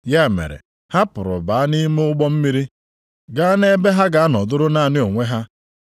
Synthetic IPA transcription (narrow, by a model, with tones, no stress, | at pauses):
ja˦˨mḛ˨ɾḛ˨ | ha˦pʊ˨ɾʊ̰˨ba˨a˦ni˦m˦ʊ˦ɡ͡bɔ˦m̩˦mi˦ɾi˦ | ɡa˦a˦ne˦be˦ɦa˦ɡa˨a˦nɔ˨dʊ˦ɾʊ˦na˦˨nɪ˦o˨ŋʷe˦ɦa˦